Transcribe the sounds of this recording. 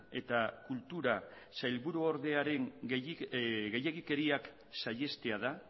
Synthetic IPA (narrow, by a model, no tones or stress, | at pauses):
e̞t̪akult̪uɾa | sajlβuɾuoɾðe̞aɾe̞ŋ | ɣe̞je̞ɣike̞ɾiak | saje̞st̪e̞aða